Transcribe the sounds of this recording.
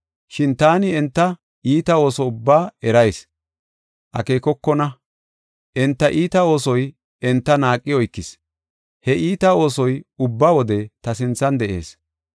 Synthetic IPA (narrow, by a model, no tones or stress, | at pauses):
ʃɪnt̪aːnɪɛnt̪ːɐ | ʔiːt̪ɐo̞ːsɔʊbːaːɛɾɐjs | ʔɐ̰keːkɔkːɔnɐ | ʔɛnt̪ːɐʔiːt̪ɐo̞ːsɔj | ɛnt̪ːɐnaːkʼːɪjɔjkːɪs | hɛʔiːt̪ɐo̞ːsɔjʊbːaːwɔd̪ɛt̪ɐsɪnt͡sːɐnd̪ɛʔḛːs